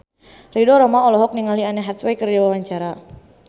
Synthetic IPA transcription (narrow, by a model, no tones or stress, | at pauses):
ridɔɾɔmaɔlɔɦɔk̚niŋalianɛɦat̪swɛjkərd͡ʒawawaɲt͡ʃaɾa